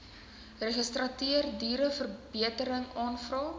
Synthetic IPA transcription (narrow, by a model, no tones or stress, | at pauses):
reχəstrɐtiərdiːɾəfərbiətəɾəŋɑːnfrɑː